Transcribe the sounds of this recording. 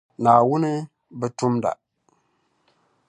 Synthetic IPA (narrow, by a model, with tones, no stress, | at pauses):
na˨wu˦ni˦ | bə˦tu˦mda̰˨